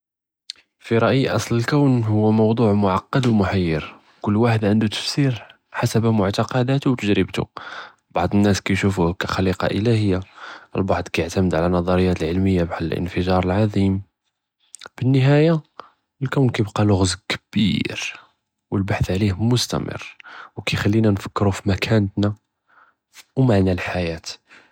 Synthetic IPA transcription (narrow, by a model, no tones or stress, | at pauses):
fiɾˤɑʔjiʔɑsˤləlkæwnhʊwːæmɑwd̪ˤuʕmʊʕɑqːɑd̪wmʊħajːəɾ | kʊlːwaħəd̪ʕənd̪ut̪ə̥fsiɾ | ħasəbæmʊʕt̪ɑqɑd̪æt̪wt̪əʒɾəbt̪ṵ | bɑʕd̪ˤənːæskæjʃufuhkæxɑliqɑ̰ʔəlæhəjːaʔəlbɑʕd̪ˤkæjəʕt̪æməd̪ʕalænːɑd̪ˤɑɾəjːæt̪əlʕəlməjːabaħlllʔə̰nfəʒɑɾˤəlʕɑd̪ˤim | b̥ənːəɦæja | lkæwnkæjbqɑlʊɣzkəb̥ḭɾ | wəlbaħθʕlihmʊst̪æ̰mə̰rwkæjxælːinænfə̥kːɾufimækʰænət̪næ | wmaʕnælħajæt̪